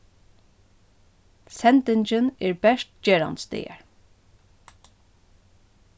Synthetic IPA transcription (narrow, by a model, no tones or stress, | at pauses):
sɛnt̪ɪnt͡ʃɪnɛːɹbɛʂt̪d͡ʒɛːɹa̰nt̪st̪ḛːja̰ɹ